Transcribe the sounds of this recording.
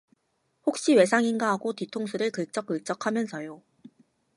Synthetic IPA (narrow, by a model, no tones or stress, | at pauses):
hok̚ɕ͈iwe̞sʰaŋinɡaɦaɡotitʰoŋsʰuɾɯɭkɯɭ̚t͡ɕ͈ʌk͈ːɯɭk̚t͡ɕ͈ʌkʰamjʌnsʰʌjo